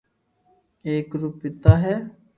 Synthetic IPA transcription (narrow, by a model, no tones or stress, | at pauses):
eːkɾuːpːɪt̪aːɦɛː